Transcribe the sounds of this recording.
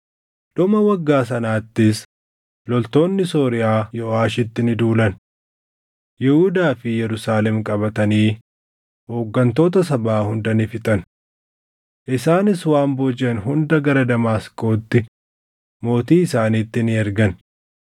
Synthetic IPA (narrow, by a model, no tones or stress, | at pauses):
ᶑɔmɐwɐɡːaːs̬ɐnaːt̪ːɪs | lɔlt̪o̞ːnːɪsoːɾɪʔaːjɔaːʃɪt̪ːɪnɪd̪uːlɐn | jɛhud̪aːfɪjɛɾʊsaːlɛmkʼɐbɐt̪ɐniː | hoːɡːɐnt̪o̞ːt̪ɐsɐbaːhʊnd̪ɐnɪfɪt̪ʼɐn | ʔɪsaːnɪswaːmbɔd͡ʒɛnɦʊnd̪ɐɡɐɾɐd̪ɐmaːsko̞ːt̪ːɪ | mo̞ːt̪iːɪsaːniːt̪ːɪnɪɛɾɡɐn